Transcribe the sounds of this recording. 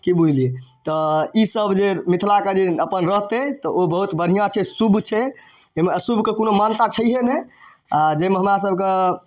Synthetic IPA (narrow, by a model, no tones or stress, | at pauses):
kibud͡ʒʱliet̪ɔisəbʱd͡ʒemit̪ʰlaked͡ʒeəpənɾəɦt̪et̪ɔʔobəɦut̪bəɾ̤ijãt͡ʃʰɛsubʱt͡ʃʰɛ | emesubʱkekonomant̪at͡ʃʰəiɦene | ad͡ʒemeɦəmɾas̬əbʱke